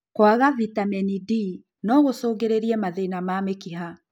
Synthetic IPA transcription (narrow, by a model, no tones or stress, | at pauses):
kwaɣavitamɛnidi | nɔɣosoːɣɡeɾeɾiɛmaðeinamamekiɦa